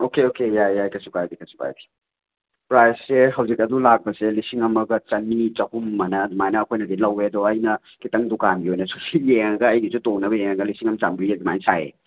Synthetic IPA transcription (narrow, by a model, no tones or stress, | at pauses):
okeokejajajkɐsukajbikʰɐsu̥ka̰jbi̥ | pɾajsːeɦɐwzik̚ɐdulak̚pɐselisiŋɐmɐɡɐt͡ʃɐnːit͡ʃɐhumːanɐːdumajnɐːkʰojnɐdilɐweɐdɔɐjnɐ | kitɐŋdukanɡiojnɐsu̥sijeŋɐɡɐɐjɡizutoŋnɐbɐjeŋɐɡɐlisiŋɐmt͡ʃamɡɾiɐduma̰jnsajḛ